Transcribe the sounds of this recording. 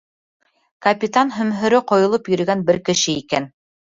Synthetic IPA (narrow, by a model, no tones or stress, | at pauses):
kɐpʲit̪anɦɵ̆mɦɵ̆ɾɵqŏjŏlˠɤpjɵ̆ɾɵ̆ɡænbɘɾkɘ̆ʃɘikæn